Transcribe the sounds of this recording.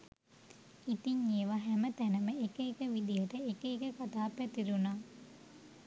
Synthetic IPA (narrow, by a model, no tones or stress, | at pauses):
it̪iɲːeːʋaɦæmət̪ænəməekəekəʋid̪ijəʈəekəekəkat̪aːpːæt̪iɾunaː